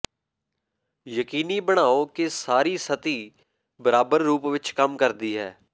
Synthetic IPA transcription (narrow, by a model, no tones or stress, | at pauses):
jəkiːniːbəɽ̃aːoːkɪsaːɾiːsət̪iː | bəɾaːbəɾːuːpʋɪt͡ʃkəmkəɾd̪iːɦɛː